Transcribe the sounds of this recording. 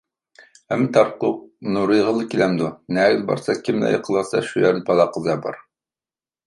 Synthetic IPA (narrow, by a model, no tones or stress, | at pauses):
ɛmːɨt̪ʰɑɾqʊq̚nuɾɨjʁəlˠːəkʲilɛmd̪unæɡlbɑ̰ɾsɑkʲʰimnæ̰jə̰qʰəlˠɑsɑʃujɛɾnɪpʰɑlˠɑqʰəzɑbɑ̰ɾ